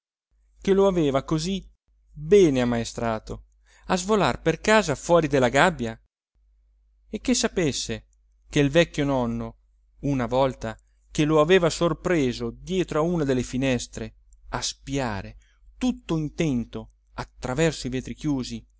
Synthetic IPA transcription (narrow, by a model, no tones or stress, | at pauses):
keloaveːvakozi | bɛːneamːaest̪ɾaːt̪o | azvola̰rperkaːzafwɔːɾid̪elːaɡabːja | ek̟ːesːapesːe | k̟eilvɛkːjonɔnːo | unavɔlt̪a | k̟eloaveːvasorpɾeːzod̪jɛːt̪ɾoauːnad̪elːefinɛst̪ɾe | aspia̰ːɾe | t̪ut̪ːoint̪ɛnt̪o | at̪ːɾavɛrsoiveːt̪ɾik̟juːzi